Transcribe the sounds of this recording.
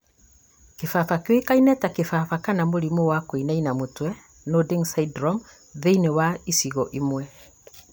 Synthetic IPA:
kefafakjoikainɛtakefafakanamoɾimowakoinainamotwɛ | nodiŋsaidɾɔm | ðeinewaisiɣɔʔimwɛ

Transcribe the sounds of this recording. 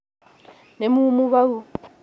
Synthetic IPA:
nemumuβau

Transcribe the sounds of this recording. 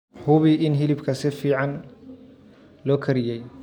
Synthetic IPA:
hʊβɪʔɪnɦɪlɪbkʰɐsɪfiːʕɑn | lɔːkʰɐɾɪjɛj

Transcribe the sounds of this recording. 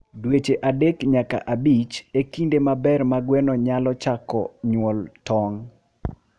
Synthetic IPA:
dwet͡ʃeʔadekɲaka̰ʔabit͡ʃekindemabɛrmaɡwɛnɔɲalɔt͡ʃakɔ̰ɲwɔltɔŋ

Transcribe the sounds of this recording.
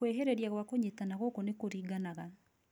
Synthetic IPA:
weɦeɾeɾjaɣwakoɲetanaɣokonekoɾiːɡanaɣa

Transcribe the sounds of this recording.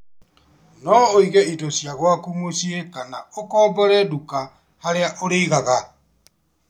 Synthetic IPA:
nɔːiɣɛitosjaɣwakumosiekana̰okɔːbɔɾɛduka | haɾeaʔoɾeiɣaɣa

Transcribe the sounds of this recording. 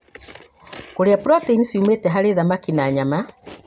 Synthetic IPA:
koɾeapɾɔteinisiumetɛɦaɾeðamakinaːɲama

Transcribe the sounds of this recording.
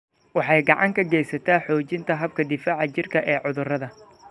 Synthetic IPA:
wɑħɑjɡɑʕɑŋkʰɐɡɛjsɐt̪ʰaːħɔːt͡ʃɪnt̪ʰɐɦɐb̚kʰɐd̪ɪfaːʕɐt͡ʃɪrkʰɐʔɛːʕʊðʊrɐðɐ

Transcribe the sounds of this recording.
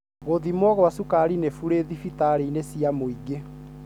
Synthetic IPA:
ɣoðimwɔɣwasukaɾinefuɾeðifitaɾeinesiamoiɡe

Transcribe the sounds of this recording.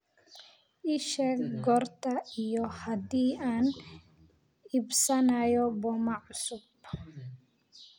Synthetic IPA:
ʔɪʃɛːɡɡɔrt̪ʰɐijɔhɐd̪iːaːn | ʔɪbsɐnɐjɔbɔmɐʕʊsʊb

